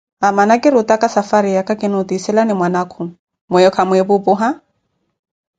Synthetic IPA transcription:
amanakʼɪɾʊtʼakʼasafaɾɪjakʼakʼɪnʊtisɛlanɪmwanakʰʊ | mɛjɔkʰamʊebʊpʊɦa

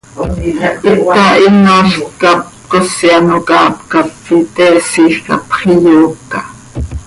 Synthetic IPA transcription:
it̪ɑʔinoːɬkɑp̚kosiɑnokɑːpkɑfːit̪ɛːsiːxkɑ̰pχijuːkːɑ

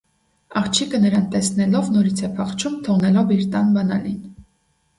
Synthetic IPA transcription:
ɑχt͡ʃʰikənəɾɑnt̪ɛsnɛlɔvnɔɾit͡sʰɛpʰɑχt͡ʃʰumt̪ʰɔʁnɛlɔviɾt̪ɑnbɑnɑlin

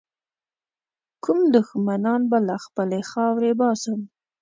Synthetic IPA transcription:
kʊmd̪ʊxmanɑnbalaxpəlexɑwɾebɑsəm

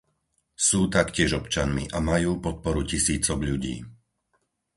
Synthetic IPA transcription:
suːt̪akcɪɛʒɔpt͡ʃanmḭʔamajuːpɔt̪̚pɔɾucisiːt͡sɔɡʎuɟḭː

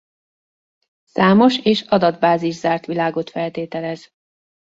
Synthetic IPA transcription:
saːmo̞ʃeːʃɒd̪ɒd̪baːziʒzaːrt̪ʋilaːɡo̞t̪fɛlt̪eːt̪ɛlɛz

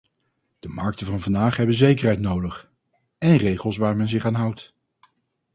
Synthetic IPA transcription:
d̥əmɑɹk̚tənvɑnvɑndaːχɦɛbənzejkərɦɛjtnowdəχ | ɛnrejχəlˠsʋaːɹmɛnzɪχaːnɦʌwt

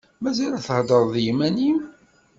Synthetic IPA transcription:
mæzælæθəhd̪ˤəɾˤðjimænim

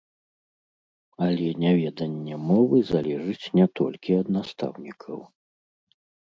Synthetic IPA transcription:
ɐlʲɛnʲavʲɛd̪ɐnʲːɛmɔvɨzalʲɛʐɨt͡sʲnʲɛt̪ɔ̰lʲkʲiɐd̪nast̪a̰wnʲikʰɐ̰w

